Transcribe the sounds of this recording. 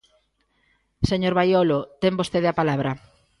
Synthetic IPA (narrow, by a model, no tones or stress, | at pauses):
seɲoɾβajolot̪embost̪eðeapalaβɾɐ